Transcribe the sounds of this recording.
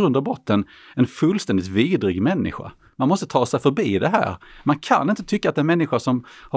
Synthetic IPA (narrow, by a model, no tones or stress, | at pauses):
ɾɵnd̪avbɾɔt̪ʰːən | ɛnfɵlst̪ɛnd̪ɪt̪viːd̪ɾɪɡmɛnːɪ̰ɧa̰ | manmɔst̪ət̪ʰɑːsɛjfœɾbiːd̪ɛɦæ̰ːɾmankʰa̰nːɪnt̪ət̪ʰʏkːat̪d̪ɛnmɛnːɪɧaʂɔmha